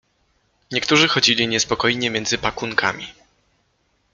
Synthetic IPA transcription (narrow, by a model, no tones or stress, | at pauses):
ɲɛkt̪uʐɘxɔd͡ʑilʲiɲɛspɔkɔjɲɛmʲjɛnd̪zɘpakuŋkʰa̰mʲḭ